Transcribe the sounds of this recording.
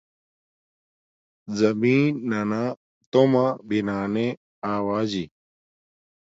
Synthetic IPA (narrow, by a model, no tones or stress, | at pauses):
zɐmiːnːanaː | t̪omãːbinaːne | aːwaːzi